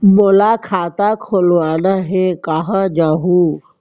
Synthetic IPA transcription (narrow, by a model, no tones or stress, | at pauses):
molakʰaːt̪akʰoːlʋaːnəɦekaːɦãd͡ʒaːɦu